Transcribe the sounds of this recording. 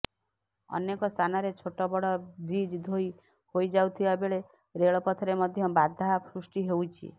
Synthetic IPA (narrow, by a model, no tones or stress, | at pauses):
ɔ̰nekɔst̪ʰanɔɾet͡ʃʰoʈɔbɔɽɔɾid͡ʒd̪ʱoi | hojd͡ʒawt̪ʰibabeɭe | ɾeɭɔpɔt̪ʰɔɾemɔd̪ʱjɔbad̪ʱapʰɾusʈiɦewt͡ʃʰḭ